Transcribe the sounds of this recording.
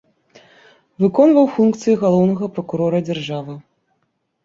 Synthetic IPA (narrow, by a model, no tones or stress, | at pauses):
vɨkɔnvɐwfunkt̪sɨjiɣalˠɔwnɐɣɐpɾɐkuɾɔɾɐd͡zʲarʐavɨ